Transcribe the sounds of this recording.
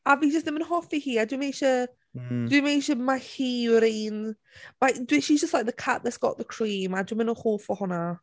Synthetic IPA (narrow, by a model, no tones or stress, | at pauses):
avid͡ʒəstɪmɪ̃nhɔfihiadəwmeʃə | d̥wimeʃəmahiɾin | baɪdiʃizd͡ʒəstlak̚ðəkʰaʔðətsɡ̥ɔ̰ʔðəkʰɹ̥ĩːmadɪmɪ̃nəhoːfəhɔnə